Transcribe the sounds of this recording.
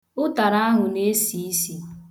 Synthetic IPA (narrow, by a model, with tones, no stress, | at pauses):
ʊ˦ta˨ɾa˦a˦ɦʊ˨ne˦si˨i˦si˨